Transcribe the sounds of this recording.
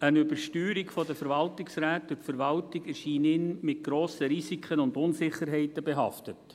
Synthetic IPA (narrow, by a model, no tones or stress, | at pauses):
ənʏbəɾʃtyːɾikfɔdəfəɾvɑltɪksɾæːtʋɪtfəɾvɑltɪɡɛʃiːnɪnmɪt̚ɡ̥ɾoːsəɾisikʰənʊnd̪ʊnsɪχəɾɦɛɪtəbeɦɑ̰ftət